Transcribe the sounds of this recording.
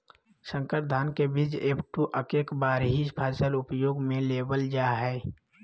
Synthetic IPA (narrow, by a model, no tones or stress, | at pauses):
sə̃ŋkəɾd̪ʱaːnkebid͡ʒeːpʈuʔəkeːkbaːɾɦispʰaɪsəlʊpjoːɡmẽleːbəld͡ʒaːɦɛː